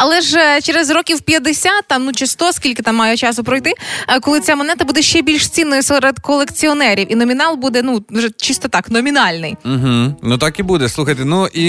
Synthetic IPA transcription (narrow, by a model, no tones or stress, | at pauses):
ɐlˠɛʒt͡ʃeɾezrɔkʲiwpʲjɐd̪esʲat̪̚t̪ːɑmnut͡ʃɪst̪ɔskʲilʲkɪt̪ɑmːɑjɛt͡ʃɑsʊpɾɔjt̪ɪkɔlˠɪt͡sʲamɔnɛt̪ɐbud̪ɛʃt͡ʃɛbʲilʲʃt͡sʲinːɔjʊsɛɾed̪kɔlˠekt͡sʲiɔnɛɾʲiwʔinɔmʲinɑlˠbud̪ɛnuʒɛt͡ʃist̪ɔt̪ɑknɔmʲinɑlʲnɪ̰jm̩ɦ̩nut̪ɑkibud̪ɛslˠuxɐjt̪enui